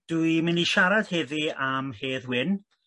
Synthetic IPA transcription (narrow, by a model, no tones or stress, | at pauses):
d̥ujmɪniʃaɾad̥hɛðiamheːðwɪn